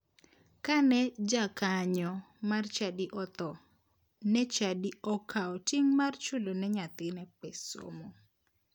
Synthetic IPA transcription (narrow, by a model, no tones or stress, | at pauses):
kanɛd͡ʒakaɲɔ | mart͡ʃadiʔɔt̪ɔ | nɛt͡ʃadiɔkʰaɔtiŋmart͡ʃulonɛɲat̪ɪnɛpɛso̰mɔ